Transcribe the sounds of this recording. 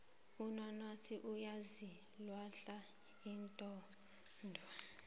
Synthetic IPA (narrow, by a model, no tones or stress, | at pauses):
unanatʰiʔujazi | lwaɬa | intʼɔ | ndʱwa